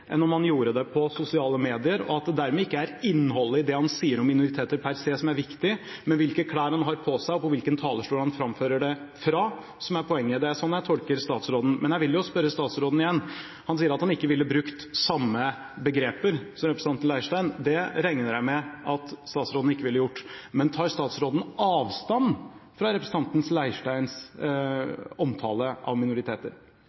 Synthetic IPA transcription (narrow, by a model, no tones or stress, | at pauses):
ʔɛ̰nːɔmhɑnjuːɾəd̪ɛpʰɔsʊsɪɑːləmeːd̪ɪəɾɔ̰ɑt̪̚d̪ɛd̪æɾmɛɪkːəæɾɪnːhɔlːəɪd̪ɛhɑnsiːəɾɔmːɪnʊɾɪt̪ʰeːt̪əɾpʰæɾseːsɔmæɾʋɪkt̪ɪmɛnʋɪlkəkʰɽæːɾhɑnɦɑɾpʰɔsæɪɔpɔʋɪlkənt̪ʰɑːləʂʈuːɾhɑnfɾɑmføːɾəɖɛ | fɾɑ | sɔmæɾpʰɔɛŋːəd̪ɛæsɔnːjæt̪ʰɔlkəɾst̪ɑːt̪sɾoːd̪n̩mɛnjæɪʋɪljʊspœɾːəst̪ɑːt̪sɾoːd̪n̩ɪjɛnː | hɑns̬iːəɾɑt̪hɑnɪkːəʋɪlːəbɾʉkt̪sɑmːə | bəɡɾeːpəɾsɔmɾɛpɾəsnɑnt̪nlæɪʂʈæɪnd̪ɛɾɛŋnəɾæɪmɛʔɑt̪st̪ɑːt̪sɾoːd̪n̩ɪkːəʋɪlːəjʊʈːmɛnt̪ʰɑːɾst̪ɑːt̪sɾoːd̪n̩ɑːʋst̪ɑnfɾɑɾɛpɾəsəɑnt̪n̩slæɪʂʈæɪns | ɔmt̪ʰɑ̰ːləʔɑ̰ʋmɪnʊɾɪt̪ʰeːt̪ə̰ɾ